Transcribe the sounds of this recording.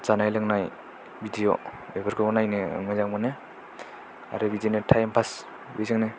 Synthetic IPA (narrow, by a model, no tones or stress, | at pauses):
t͡ʃanajlaŋnaj | bidijo̰ebaɾkʰɯnajnemazaŋmɔne | a̰ɾɯbidijonetʰajmpʰas | bijzaŋne